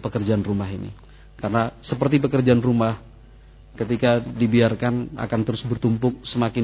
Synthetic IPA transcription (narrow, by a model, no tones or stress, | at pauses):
pəkərd͡ʒaanrumaɦinḭ | karənasəpərt̪ip̬əkərd͡ʒaanrumah | kət̪̬ikadibiarkana̰kant̪əɾʊsbərt̪umpʊŋ̚səmakɪ